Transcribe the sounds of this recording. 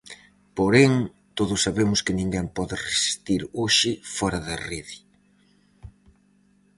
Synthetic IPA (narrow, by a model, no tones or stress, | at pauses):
poɾɛŋ | t̪oðʊsːaβemʊskɪnĩŋɡɛmpɔðɪresi̥st̪iɾoʃɪfɔɾɐðɐriði